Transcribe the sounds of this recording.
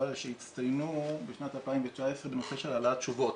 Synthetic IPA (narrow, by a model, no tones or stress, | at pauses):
alʃeit̪st̪ajnubeʃnat̪alpaimvet͡ʃaesʁebeno̞seʃelalatt͡ʃuvo̞t